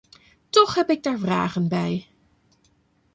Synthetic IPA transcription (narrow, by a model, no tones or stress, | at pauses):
tɔχɦɛpɪɡ̚daːɹvra̰ːχənbɛj